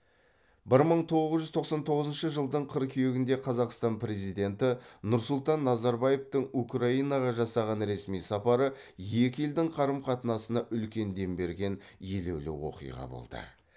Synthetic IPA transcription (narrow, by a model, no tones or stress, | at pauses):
bɪɾməɴt̪ʰo̞ʁəzʒʏzt̪ʰo̞qsɑnt̪ʰo̞ʁəzənʃəʒəlˠd̪əɴqʰəɾkʲʰejeɡʲɪnd̪eqʰɑzɑqst̪ɑnpɾe̞zijd̪e̞nt̪ɪnʊɾsʊlˠt̪ɑnːɑzɑɾbɑje̞ft̪əɴukraijnɑʁɑʒɑsɑʁɑnɾe̞smijsɑpɑɾəje̞kʲɪjɪld̪ɪŋqʰɑɾəmqʰɑt̪ənɑsənɑʔʏlkʲe̞nd̪e̞mbe̞ɾɡʲe̞nje̞le̞̰wlɪ̰wo̞̰qḭjʁɑ̰bo̰lˠd̪ə̰